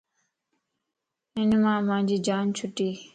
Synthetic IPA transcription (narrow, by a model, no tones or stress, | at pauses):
ɪnmãːmãːd͡ʒiːd͡ʒaːnt͡ʃʰʊʈːiː